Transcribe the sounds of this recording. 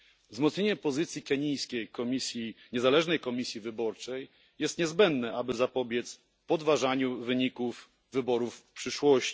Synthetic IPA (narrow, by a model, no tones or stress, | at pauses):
vzmɔt̪ɲeɲɛpɔzɘt̪sʲjikɛɲijskʲejkɔmʲisʲjiɲɛzalɛʐnɛjkɔmʲisʲjivɘbɔɾt͡ʂɛj | jɛst̪ɲɛzbɛnd̪nɛʔabɘzapɔbʲjɛt̪s | pɔd̪vaʐaɲuvɘɲikufː | ɘbɔɾufpʂɘʂwɔɕt͡ɕi